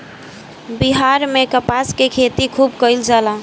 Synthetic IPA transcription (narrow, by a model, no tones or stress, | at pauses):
biɦaɾmekəpaskekʰet̪ikʰubkəld͡ʒala